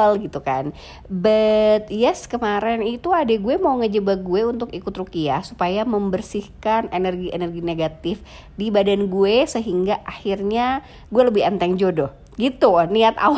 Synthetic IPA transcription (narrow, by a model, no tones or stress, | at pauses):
lɡit̪ukan | bət̪̚jɛskəmaɾɛnit̪uadɛɡuɛmauŋəd͡ʒəbaɡuɛunt̪ʊkikʊt̪rukiahsupajaməmbərsɪhkanenərɡiʔḛnərɡineɡat̪ɪf | dibadanɡuɛsəɦiŋɡaʔahirɲa | ɡuɛləbɪhənt̪ɛŋd͡ʒodo | ɡit̪uniat̪a̰